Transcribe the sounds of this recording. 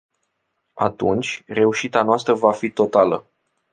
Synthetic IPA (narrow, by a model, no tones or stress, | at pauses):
a̰t̪ṵnt͡ʃʲre̞uʃit̪anoast̪ɾəvafit̪o̞t̪alə̰